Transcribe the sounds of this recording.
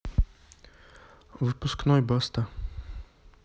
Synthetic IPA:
vɨpusknɔibɔst̪a

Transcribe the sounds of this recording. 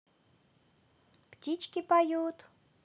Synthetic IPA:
pt̪ʲit͡ɕkʲipajut̪

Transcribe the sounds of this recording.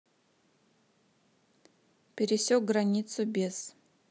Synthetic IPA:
pʲeɾisʲoɡranʲit̪sʰubʲez̥

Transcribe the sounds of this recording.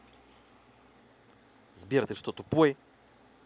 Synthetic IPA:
zbiɾət̪ɛʃt̪ɔt̪opuɛ

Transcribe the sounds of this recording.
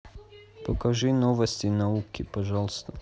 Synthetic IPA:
pɐkɐʐɨnovɐsʲtʲɪnɐukʲɪpɐʒɑlˠst̪ə

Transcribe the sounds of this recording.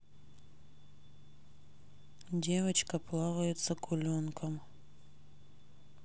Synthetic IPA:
dʲe̞vət͡ɕkəplˠavəjʊt̪səkʰʊlʲonkʰəm

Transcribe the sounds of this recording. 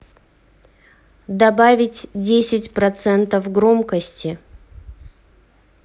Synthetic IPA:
d̪ɐbavʲɪtʲdʲesʲɪtʲpɾɐt̪sɛnt̪əfɡɾomkəsʲtʲɪ

